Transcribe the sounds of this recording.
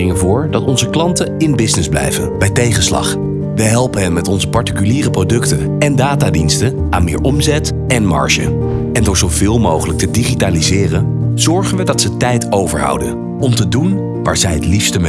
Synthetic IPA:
ɪŋəvʊːɹdɑtɔnzəklɑntəɪnbɪsnɪzblɛ̰jvənbɛjtejχənslɑ̰χ | ʋəɦɛlˠpənɦənmɛtɔnzəpɑɹtikyliːrəprowdɵktən | ɛndaːtaːdinstən | aːnmɪ̰ːɹʔɔmzɛt | ɛnmɑ̰ɹʃə̰ | ɛndʊːɹzowv̥ɪːlˠmowχələk̚tədiχitaːlizɪːrənz̥ɔɹχənʋədɑtsətɛjtowvə̰ɹɦɑ̰wdə̰n | ɔmtədun | ʋa̰ːɹzɛjɦətlifstəm

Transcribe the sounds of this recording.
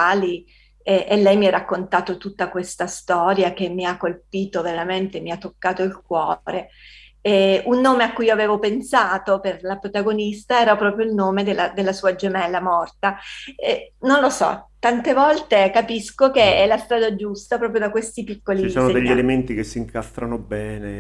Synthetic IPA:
ali | ɛʔelːɛjmiarːakːont̪aːt̪ot̪ut̪ːakwest̪ast̪ɔːɾjak̟emːiakːolpiːt̪oveɾament̪emiat̪ːokːaːt̪oilkwɔ̰ːɾe | ɛunːoːmeakːujoaveːvopensaːt̪operlapɾot̪aɡonist̪aɛːɾapɾɔːpɾjoilnoːmed̪elːad̪elːasuːad͡ʒemɛlːamɔrt̪aɛnonlosɔ̰t̪ːant̪evɔlt̪ekapiskokeɛlːast̪ɾaːd̪ad͡ʒust̪apɾɔːp̬ɾjod̪akwest̪ipikːolit͡ʃːsoːnod̪eʎːielement̪ikesːiŋkast̪ɾanobɛːne

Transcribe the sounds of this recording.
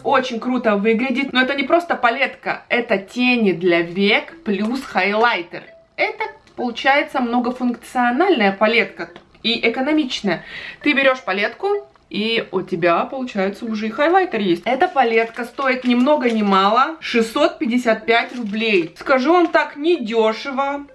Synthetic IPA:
o̞t͡ɕɪnʲkɾut̪əvɨɡlʲɪdʲɪt̚ʲno̞ɛt̪ənʲɪpɾo̞st̪əpɐlʲe̞t̪kə̰ɛt̪ətʲenʲɪd̪lʲɐvʲekplʲusxajlˠajt̪ʲɪ̰r | ɛt̪ə | pəlˠʊt͡ɕæjɪt̪səmno̞ɡəfʊnkt̪sɨɐnalʲnəjəpɐlʲe̞t̪kə | iʔɪkənɐmʲit͡ɕnəjət̪ɨbʲɪɾʲo̞ʂpɐlʲe̞t̪kʊ | iʊtʲɪbʲapəlˠʊt͡ɕæjɪt̪səʊʐɛɪxajlˠajt̪ʲɪrjesʲtʲɛt̪əpɐlʲe̞t̪kəst̪o̞ɪt̪nʲɪmno̞ɡənʲɪmalˠəʂɨsːo̞t̪̚pʲɪdʲːɪsʲat̪̚pʲætʲrʊblʲejskɐʐɨvamt̪aknʲɪdʲoʂɨvə

